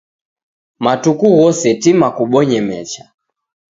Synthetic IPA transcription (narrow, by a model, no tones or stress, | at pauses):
matukuɣɔsɛtimakuɓɔɲɛmɛ̰t͡ʃa